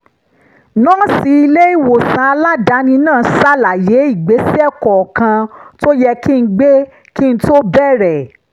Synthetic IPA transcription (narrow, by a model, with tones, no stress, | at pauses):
nã˦si˧˦i˧le˦i˦˨wo˨sã˨˧a˧la˦da˨˦nĩ˧nãː˦˨sa˦la˨je˨˦i˦˨ɡ͡be˨˦si˦ɛ˦˨kɔ˨ɔ˨kã˧to˦jɛ˧ki˦n̩˦ɡ͡be˦ | ki˦n̩˦to˦bɛ˦˨ɾɛ˨